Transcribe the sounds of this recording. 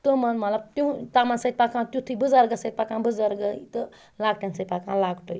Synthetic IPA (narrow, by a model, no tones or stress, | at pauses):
t̪ɨmɐnmɐt̪lɐb̚t̪ũt̪amansɐid̪̚pakʰãt̪ʲjũt̪ʰɨbɨzaɾɡɐsəd̪̚pakãbɨzaɾɡəjt̪ɨ | laɡ̚ʈãnsəj̪̚ʲpakãlaɡʈoj